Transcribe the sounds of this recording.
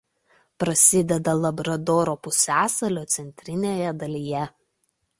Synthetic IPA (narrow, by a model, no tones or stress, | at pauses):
pɾɐsʲɪd̪ʲɛd̪ɐlˠɐbɾɐd̪ɔːɾoːpʊsʲæːsɐlʲoːt̪sʲɛnʲt̪ʲɾʲɪnʲeːjɛd̪ɐlʲijɛ